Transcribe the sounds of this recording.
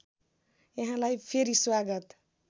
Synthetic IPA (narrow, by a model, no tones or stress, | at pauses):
jaɦãlajpʰeɾiswaɡʌt̪